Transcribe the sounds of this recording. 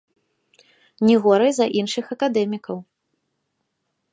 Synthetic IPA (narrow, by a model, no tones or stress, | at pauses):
nʲiɣɔɾɐjzɐʔinʂɨxɐkad̪ɛmʲikɐw